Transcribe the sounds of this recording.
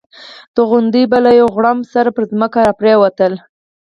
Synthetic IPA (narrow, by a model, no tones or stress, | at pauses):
d̪̥əɣʊnd̪ibalajawɣɽamsaɾapəɾzməkaɾapɾewat̪əl